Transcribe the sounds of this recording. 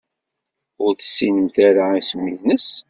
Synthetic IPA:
ʊɾθə̥sːinəmθæɾaismːinəs

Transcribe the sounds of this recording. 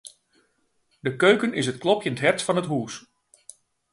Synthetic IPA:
dəkøɥkənɪsət̚klɔpjəntɦɛrsfɑnətɦuːs

